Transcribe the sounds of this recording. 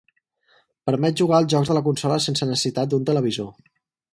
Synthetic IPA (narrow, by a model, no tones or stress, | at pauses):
pəɾmɛt̪̚ʒuɣ̞aəlˠzʒɔɡzðələk̬unsɔləsensənəsə̥sit̪at̪̚d̪unt̪ələβ̞izo